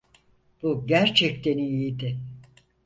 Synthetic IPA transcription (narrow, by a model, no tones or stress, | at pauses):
b̥uɟæɾt͡ʃʰɛc̚t̪ʰeniiid̪ɪ